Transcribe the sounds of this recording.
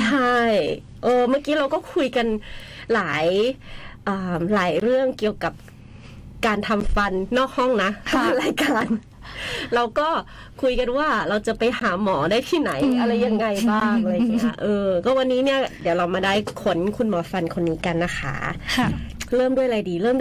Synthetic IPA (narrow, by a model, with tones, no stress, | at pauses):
t͡ɕʰa˥˩j | ʔɤː˧maː˥˩kiː˦˥ɾa˧wkɔː˥˩kʰu˧jka˧nlaː˩˦j | ʔɤː˧mlaː˩˦jɾɯ˥˩əŋki˨˧əwka˨˩p̚ | kaː˧nt̪ʰa˧mfa˧nːɔː˥˩k̚hɔ˥˩ŋna˦˥t̪aː˧mlaː˨˦jkaː˧n | ɾa˧wkɔː˥˩ | kʰu˧jka˧nwaː˥˩ɾa˧wt͡ɕa˨˩pa˧jhaː˩˦mɔː˩˦daː˥˩jt̪ʰiː˥˩na˨˩˦jʔa˧la˧jːa˧ŋːa˧jbaː˥˩ŋʔa˧˨ŋi˦˥ɐ˧ʔɤː˧kɔː˥˩wa˧nːiː˦˥ni˥˩ɐdi˨˦wla˧wmaː˧daː˥˩jkʰo˨˦nkʰu˧nmɔː˩˦fa˧nkʰo˧nːiː˦˥ka˧nːa˦˥˩xʰa̰˦˥˩ | ɾɤː˥˩mdu˥˩əjlaː˨˦jdiː˧lɤː˥˩m